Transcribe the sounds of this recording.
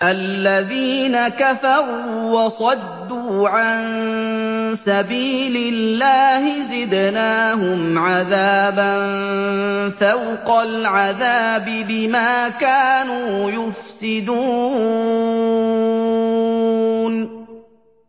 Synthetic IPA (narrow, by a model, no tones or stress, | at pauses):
ʔalːaðiːnakafɑɾuːwɑsˤɑd̪ːuːʕan | sabiːlɪlːaːhɪzɪd̪naːɦʊmʕaðaːban | θawqɑlʕaðaːbɪbɪmaːkaːnuːjʊfsɪd̪uː | n